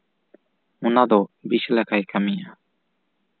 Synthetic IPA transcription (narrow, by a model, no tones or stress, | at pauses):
unad̪ɔbislakajkamija